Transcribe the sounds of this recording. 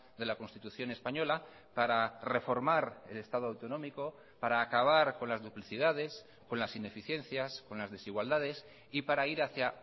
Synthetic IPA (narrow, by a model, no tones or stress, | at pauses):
d̪e̞lako̞nst̪it̪uθjo̞ne̞spaɲo̞la | paɾare̞fo̞ɾmaɾe̞le̞st̪að̞oawt̪o̞nõ̞miko̞ | paɾaːkaβ̞aɾko̞nlazðupliθið̞að̞e̞s | ko̞nlasine̞fiθje̞nθjasko̞nlazðe̞siɣwald̪að̞e̞s | ipaɾaiɾaθja